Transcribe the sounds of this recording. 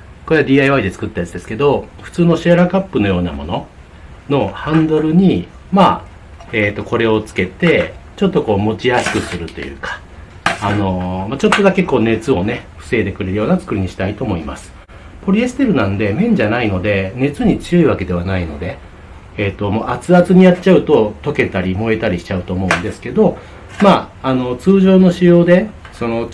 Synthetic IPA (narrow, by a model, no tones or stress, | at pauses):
koe̞ad̪iːaiβaid̪e̞t͡sɨ̥kɯ̟t̪ːajat͡sɨd̪e̞sɨ̥ke̞d̪o̞ɸɯ̟̥t͡sɨːno̞ɕiaɾakapːɯ̟no̞jo̞ːna̰mo̞no̞ | no̞hãnd̪o̞ɾɯ̟ɲ̟i | ma | eːt̪ːo̞ko̞ɾe̞o̞t͡sɨ̥ke̞t̪e̞t͡ɕo̞t̪ːo̞ko̞ːmo̞t͡ɕiasɨ̥kɯ̟sɨɾɯ̟t̪o̞jɯ̟̰ːkḁː | no̞mat͡ɕo̞t̪ːo̞d̪ake̞ko̞ːne̞t͡sɨo̞ne̞ɸɯ̟̥se̞ːt̪e̞kɯ̟ɾe̞ɾɯ̟jo̞ːnat͡sɨ̥kɯ̟ɾʲiɲ̟iɕi̥t̪ait̪o̞ːmo̞imasɨ̥ | po̞ɾʲiesɨ̥t̪e̞ɾɯ̟nãnd̪e̞mẽ̞ɲ̟d͡ʑanaino̞d̪e̞ne̞t͡sɨɲ̟it͡sɨjo̞iβake̞d̪e̞βanaino̞d̪e̞ː | t̪ːo̞mo̞ːʔat͡sɨat͡sɨɲ̟ijatt͡ɕaɯ̟t̪o̞t̪o̞ke̞t̪aɾʲimo̞e̞t̪aɾʲiɕi̥t͡ɕaɯ̟t̪o̞ːmo̞ɯ̟̃nd̪e̞sɨ̥ke̞d̪o̞ | maː | no̞t͡sɨːʑo̞ːno̞ɕijo̞ːd̪e̞ | so̞no̞